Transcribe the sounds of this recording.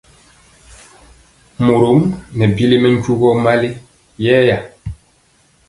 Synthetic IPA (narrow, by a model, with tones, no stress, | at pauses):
mo˨ɾo˨˦mnɛ˨bi˦li˦mɛ˦ɲ˦ku˦ɣɔ˦ma˦le˦ | jɛ˦ja˨